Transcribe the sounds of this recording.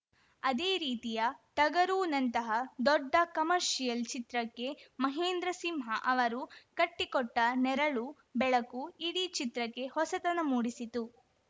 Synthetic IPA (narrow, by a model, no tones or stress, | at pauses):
ɐd̪eːɾiːt̪ijɐʈ̪ɐɡɐɾuːnɐnt̪ɐɦɐd̪ɔɖːɐkɐmɐɾʂijɐlt͡ʃit̪ɾɐkːe̞mɐɦeːnd̪ɾɐsimɦɐʔɐʋɐɾukɐʈːikɔʈːɐnɛɾɐɭu | bɛɭɐkuiɽit͡ʃit̪ɾɐkːe̞hɔsɐt̪ɐnɐmuːɽisit̪u